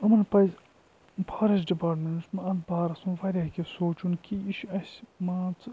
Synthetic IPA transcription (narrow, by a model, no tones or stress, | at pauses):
ɐmɐnpɐz | pʰaːɾɐs̬ɖipaːɾʈmensmɐɐt̪baːɾɐsunʋɐɾʲɐkʲefsoːt͡ʃunkʰiiʃɐsʲmaːt͡s